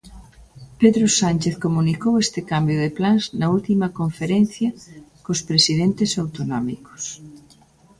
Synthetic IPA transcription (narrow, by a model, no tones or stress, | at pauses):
peðɾosanʲt͡ʃeθkomunikowest̪ɪkambjoðeplanznɐult̪imɐkoɱfeɾen̟θjɐkospɾesiðent̪ɪsawt̪onɔmiko̥s